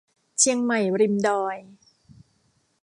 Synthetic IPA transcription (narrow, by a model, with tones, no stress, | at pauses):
t͡ɕʰi˧əŋma˨˩jɾi˧mdɔː˧j